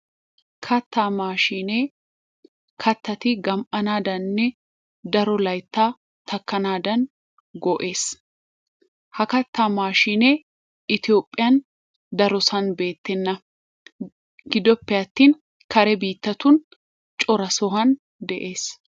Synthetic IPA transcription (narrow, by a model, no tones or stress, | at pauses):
kʰɐt̪ːaːmaːʃiːneː | kʰɐt̪ːɐt̪ɪɡɐmʔɐnaːd̪ɐnːɛ | d̪ɐɾɔlɐjt̪ːaː | t̪ɐkːɐnaːd̪ɐn | ɡɔʔe̞ːs | hɐkɐt̪ːaːmaːʃiːneː | ɪt̪ɪjo̞ːpʼːɪjɐn | d̪ɐɾɔsɐnbe̞ːt̪ːɛnːɐ | ɡɪd̪ɔpːɛɐt̪ːiːn | kʰɐɾɛbiːt̪ːɐt̪ʊn | t͡ʃʼɔɾɐsɔɦɐn | d̪ɛʔe̞ːs